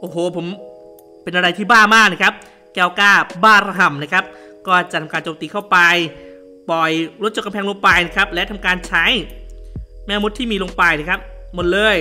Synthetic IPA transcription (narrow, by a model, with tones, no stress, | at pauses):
ʔoː˨˩ɦoː˨˧˩pʰo˩˦m | pe˧nʔa˧ɾa˧jt̪ʰiː˥˩baː˥˩maː˥˩k̚na˦˥kʰa˦˥p̚ | kɛː˧wkaː˥˩baː˥˩ɾa˧ɦa˨˩mna˦˥kʰa˦˥p̚ | kɔː˥˩t͡ɕa˨˩t̪ʰa˧mkaː˧nt͡ɕoː˧mt̪iː˧kʰa˥˩wpa˧j | pɔ˨˩jɾo˦˥t̪̚t͡ɕo˨˩k̚a˧mpʰːŋlo˧ŋpa˧jna˦˥kʰa˦˥p̚lɛ˦˥t̪ʰa˧mkaː˧nt͡ɕʰa˦˥j | mɛː˦˥˩mu˦˥t̪ʰːiː˥˩miː˧lo˧ŋpa˧jna˦˥˩kʰa˦˥p̚mo˨˩t̪̚lɤː˧j